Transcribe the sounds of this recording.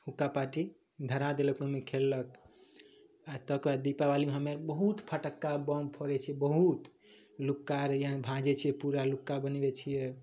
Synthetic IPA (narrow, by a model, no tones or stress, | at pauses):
hukːapaʈi | d̪ʱəɾad̪eləkomekʰelːək | at̪əkad̪ipabalimeɦəmeɾbəɦut̪pʰəʈəkːabɔmpʰoɾɛt͡ʃʰiɛbəɦut̪ | lukːaɾjabʱãd͡ʒɛt͡ʃʰijɛpuɾalukːabənbɛt͡ʃʰijɛ